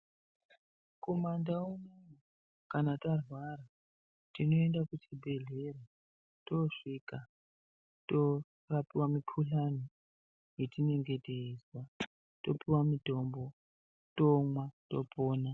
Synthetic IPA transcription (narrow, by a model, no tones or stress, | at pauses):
ko̞mandaunewa | kanatarwaɾa | tino̞e̞ndakutʰibʱe̞ɮe̞ɾe | to̞ʂiːka | to | rapiwamikʰuɬani | jetine̞ŋɡe̞teiswa | to̞piwamito̞ːmbo̞ | tomwato̞poːna